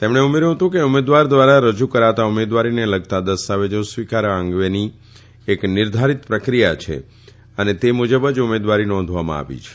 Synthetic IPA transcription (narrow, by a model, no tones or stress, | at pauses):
t̪emɳ̃eumeɾũɦət̪ũkeumed̪ʋaɾd̪ʋaɾaɾəd͡ʒukəɾaʋt̪aumed̪ʋaɾineləɡ̚t̪ad̪əst̪aʋed͡ʒə̃sʋikaɾəŋɡʋeni | eknɪɾd̪ʱaɾit̪pɾəkɾijat͡ʃʰḛ | ənet̪emud͡ʒəbəd͡ʒumed̪ʋaɾinɔ̃nd̪ʱʋamã̰a̰ʋḭt͡ʃʰe̥